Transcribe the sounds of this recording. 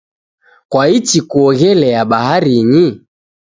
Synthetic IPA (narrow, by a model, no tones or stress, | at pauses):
kwaitikuɔɣɛlɛjaɓahaɾiɲi